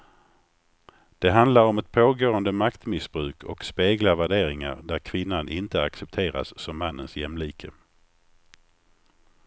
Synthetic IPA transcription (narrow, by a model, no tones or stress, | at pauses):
d̪̥ɛɦand̪laɾɔmɛt̪̚pʰoːɡoːənd̪əmakt̪mɪsbɾʉ̟ːkʰɔ̰kspeːɡlavæɖeːɾɪŋa̰ɾd̪æɾkʰvɪnːanʔɪnt̪əaksɛp̚t̪ʰeːɾa̰sːɔmːanːənsjɛmliːkʰə